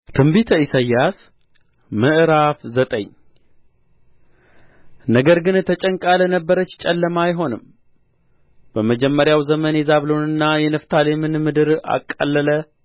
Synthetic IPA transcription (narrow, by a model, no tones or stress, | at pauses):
t̪ʰɨmbit̪ʰəisajːas | mɨʔɨɾafzət̪ʼə̰ɲ | nəɡəɾɡɨnt̪ʰət͡ʃʼəŋkʼalənəbːəɾət͡ʃːt͡ʃʼɛlːəmajɦo̞nɨm | b̥əməd͡ʒɛmːəɾjawzəmənjɛzaβlo̞nɨnːajɛnəft̪ʰalemɨnmɨd̪ɨɾa̰kʼːə̰lːələ